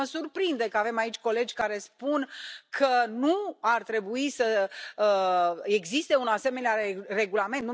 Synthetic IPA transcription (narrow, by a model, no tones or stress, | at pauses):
əsurpɾind̪e̞kəave̞mait͡ʃʲko̞le̞d͡ʒʲkaɾe̞spunkʰənuart̪ɾe̞buisəəe̞ɡzist̪eunase̞me̞neare̞ɡulament̪n